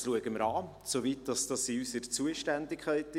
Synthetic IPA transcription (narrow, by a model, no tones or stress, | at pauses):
sluəɡəməɾɑː | sovit̚d̥ɑsd̥ɑsiysəɾt͡suəʃtændɪkʰχæɪt